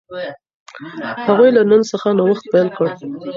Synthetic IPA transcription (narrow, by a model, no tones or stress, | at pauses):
haɣujlanənsəxanawaxt̪̚pajɑlkəɽ